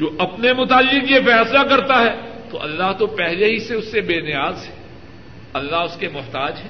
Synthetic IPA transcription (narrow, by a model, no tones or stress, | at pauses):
d͡ʒoːʔɐpnemʊt̪aːlːɪkjefɛːslakɐɾt̪aɦɛːt̪o̰ʔɐ̰lːaɦt̪opɛɦleɦiseʊsːebeːnɪjaːzɦɛ | ɐlːaɦʊskemʊɦt̪aːd͡ʒɦɛː